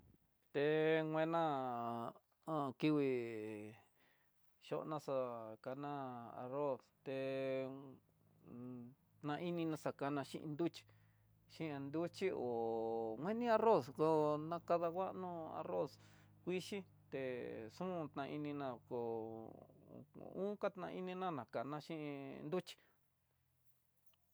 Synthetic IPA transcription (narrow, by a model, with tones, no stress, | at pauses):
t̪e˧ŋʷ˧ẽ˧nã˦ | ã˧ki˧wi˧ | ʃo̰˦ʔnã˧sa˧ka˧nã˦a̰˧ro˦st̪e˧ | t̪nã˧ʔi˦nĩ˧nã˧sa˧ka˧nã˧ʃḭ̃˦ʔnd̪u˦t͡ʃi̥˧ | ʃĩ˦˧a˧nd̪u˦t͡ʃi˦o˨ŋʷwẽ˦nĩ˦a˧ro˦sko˧nã˧ka˧ða˧kʷa˦ʔnũ˦a̰˧ro˦s | kʷi˦ʃi˦ | t̪e˨ʂũ˦˧t̪nã˧i˧nĩ˧nã˧ko˧ | ṵ̃˦ka˦t̪nã̰˧i˦nĩ˧nã˦nã˨ka˨nã˧ʃĩ˦˧nd̪u˦t͡ʃi̥˧